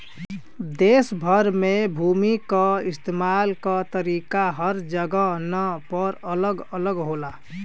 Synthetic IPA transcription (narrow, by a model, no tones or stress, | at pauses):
d̪eːsbʱəɾmẽbʱuːmikəɪst̪eːmaːlkət̪əɾiːkaɦəɾd͡ʒəɡənəpəɾələɡələɡɦola